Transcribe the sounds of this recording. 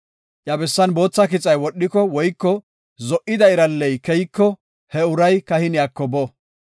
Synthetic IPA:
ʔjɐbɛsːɐnbo̞ːt͡sːɐkɪt͡sʼːɐjwɔɗːɪkɔwɔjkːɔ | zɔʔɪd̪ɐɪɾɐlːɛjkɛjkːɔ | hɛʊɾɐjkɐhɪnɪjakːɔbɔ

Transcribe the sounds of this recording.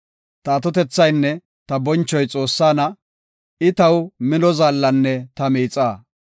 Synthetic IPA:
t̪ɐːt̪ɔt̪ɛt͡sːɐjnːɛ | t̪ɐbɔnt͡ʃːɔjt͡sʼo̞ːsːaːnɐ | ɪt̪ɐwmɪnɔzaːlːɐnːɛt̪ɐmiːt͡sʼaː

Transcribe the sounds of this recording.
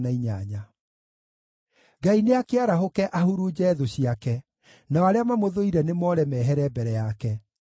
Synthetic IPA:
naiɲaɲa | ɡaineakeaɾaɦokɛʔahuɾud͡ʑɛːðoɕiakɛ | naɔaɾeamamoðoiɾɛnemɔːɾɛmɛːɦɛɾɛbɛɾɛjakɛ

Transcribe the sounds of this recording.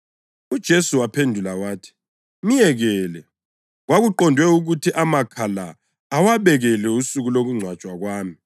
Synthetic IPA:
ud̥ʒ̥ʱesuwapʰendʱulawaːtʰi̥ | mijɛɣɛːlɛ | ɣwaɣuǃɔndʱwɛuɣutʰiʔamakʰalaː | waβɛɣɛlɛusuɣuloɣuŋ͡ǀʱwat͡ʃʼwaɣwaːmi

